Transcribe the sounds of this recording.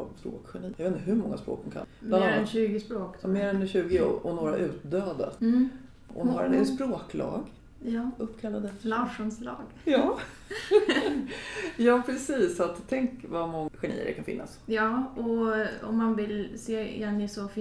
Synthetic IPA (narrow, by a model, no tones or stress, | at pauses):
sɾo̰ːkɧɛɳiːjeːt̪əɦɵɾmɔŋːaspɾo̰ːkd̪ʊmkʰa̰nmananːnɕʉ̟ːɡɪspɾoːkmeːɾɛnɕʉ̟ːɡɪ̰ʔɔnoːɾaʔʉ̟ːt̪̚d̪øːd̪a̰ | ɔ̰ɾd̪spɾoːklɑ̰ːɡ | jɑːɵpːkʰalːad̪əlaʂɔnslɑ̰ːɡjɑː | jɑːpʰɾɛsiːsːat̪t̪ʰːɛŋkvamɔŋːɧɛɳḭːə̰ɾɛ̰kʰanfɪ̰nːasjɑːɔɔ̰mːanvɪlsḛːɛnɪsɔf